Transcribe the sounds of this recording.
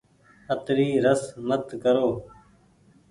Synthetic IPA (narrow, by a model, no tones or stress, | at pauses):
ət̪ɾiːɾəsmət̪kəɾoː